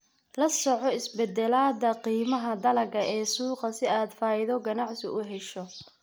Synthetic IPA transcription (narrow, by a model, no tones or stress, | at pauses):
lɐsɔʕɔɪsbɛd̪ɛlaːd̪ɐqiːmɐɦɐd̪ɐlɐɡɐʔɛːsuːqɐsɪaːd̪faːɪðɔɡɐnɑʕsɪʊɦɛʃɔ